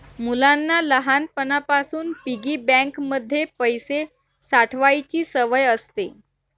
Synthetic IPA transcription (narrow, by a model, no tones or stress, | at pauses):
mulanːaləɦanpənapasuːnpiɡiːbɛ̃ŋkməd̪ʱːjepəjse | saʈʰʋajt͡ɕiːsəʋəjəst̪e